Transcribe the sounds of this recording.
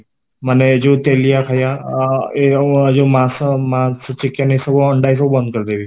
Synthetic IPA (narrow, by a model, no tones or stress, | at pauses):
maned͡ʒot̪elijakʰaja | ed͡ʒomãsmãst͡ʃikːjanisəboəɳɖajs̬əbubə̃nd̪kəɾd̪ebi